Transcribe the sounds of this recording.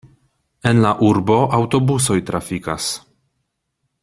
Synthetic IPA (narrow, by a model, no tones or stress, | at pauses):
e̞nlaʔuɾbo̞ʔawto̞buso̞jtɾʔafikas